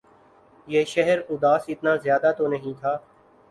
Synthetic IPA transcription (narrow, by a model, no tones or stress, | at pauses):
jeːʃɛɦəɾʊd̪aːsɪt̪naːzjaːd̪aːt̪oːnəɦĩːt̪ʰaː